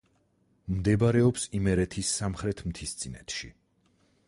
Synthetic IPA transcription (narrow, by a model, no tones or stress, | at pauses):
md̪ɛbaɾɛɔpsimɛɾɛt̪ʰisːamχɾɛt̪ʰmt̪ʰist̪sʼinɛt̪ʰʃi